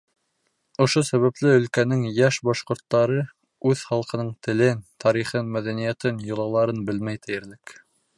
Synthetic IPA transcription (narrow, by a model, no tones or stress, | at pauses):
ŏʃosæβæplɘɵ̆lkænɘŋjæʃbɑʃqŏɾt̪ːɑɾɤ | ʉðχɑlˠqɤ̆nɤɴt̪ɘ̆lɘnt̪ɑɾiχɤnmæðænijæt̪ɘnjŏlˠɑlˠɑɾɤnbɘlmæjt̪ɘ̆jɘ̆ɾlɘk